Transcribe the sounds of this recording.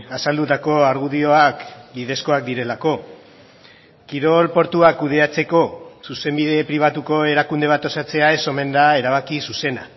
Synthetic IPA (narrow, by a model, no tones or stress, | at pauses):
asald̪ut̪ako̞aɾɣuðio̞akbið̞e̞sko̞ak̚d̪iɾe̞lako̞ | kiɾo̞lpo̞ɾt̪uakuð̞e̞at͡se̞ko̞suse̞mbiðe̞pɾiβ̞at̪uko̞e̞ɾakund̪e̞at̪o̞sat͡se̞ae̞so̞me̞nd̪ae̞ɾaβ̞akisuse̞na̰